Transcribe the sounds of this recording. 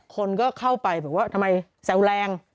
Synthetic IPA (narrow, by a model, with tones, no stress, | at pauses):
kʰo˧nkɔː˥˩kʰa˥˩wpa˧jbɛː˨˩˦p̚waː˥˩t̪ʰa˧mːa˧j | sɛ˨˩˦wlɛː˧ŋ